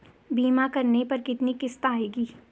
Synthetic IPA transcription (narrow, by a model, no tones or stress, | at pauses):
biːmakɐɾnepɐɾkɪt̪nikɪst̪aːeːɡiː